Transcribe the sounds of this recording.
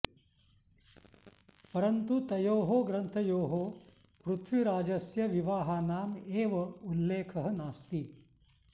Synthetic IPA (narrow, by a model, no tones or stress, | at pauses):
pɐɾɐnt̪ut̪ɐjoːɦoːɡɾɐnt̪ʰɐjoːɦoː | pɾut̪ʰʋiɾaːd͡ʒɐsjɐʋiʋaːɦaːnaːmeːʋɐulːeːkʰɐɦɐnaːst̪i